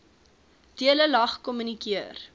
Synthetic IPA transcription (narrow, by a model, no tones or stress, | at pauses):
tiələlɐχkɔmynikiər